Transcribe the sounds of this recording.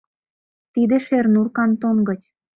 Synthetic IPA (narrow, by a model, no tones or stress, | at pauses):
t̪id̪ĕʃernurkɑnt̪oŋɡɤ̆t͡ɕ